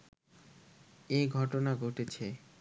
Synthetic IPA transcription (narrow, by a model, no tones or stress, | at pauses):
eɡʱɔʈonaɡʱoʈet͡ɕʰe